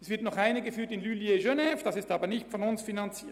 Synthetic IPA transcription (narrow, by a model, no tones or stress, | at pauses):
sv̥ɪɐtnɔχaɪnəɡəfyːtɪnlyːljeʒønɛfd̥asɪstaːbɐnɪçtfɔnʊnsfinant͡siːɐt